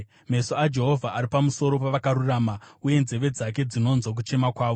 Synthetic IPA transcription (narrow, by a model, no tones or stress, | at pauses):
me̞so̞ad͡ʒe̞ɦo̞vʱaʔːɾipamuso̞ɾo̞paʋakaɾuraːmauje̞nze̞ʋe̞d͡zak̬e̞d͡zino̞nzwok̬ut͡ʃe̞makwaːʋo